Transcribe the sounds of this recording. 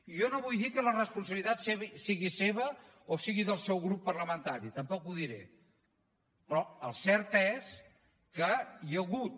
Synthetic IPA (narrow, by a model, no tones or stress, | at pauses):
iʒɔnoβujðikələrəspunsəβlit̪at̪sɛβisiɣiseβ̞ə | osiɣiðəlˠsɛwɣɾupːərləmənt̪aɾit̪əmpɔkuðiɾḛ | pɾɔəlˠsɛɾt̪ɛs | kəjəɣut̪̚